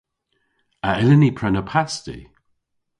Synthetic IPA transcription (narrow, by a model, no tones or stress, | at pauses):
aɪlɪnipʰɾɛnəpʰastḭ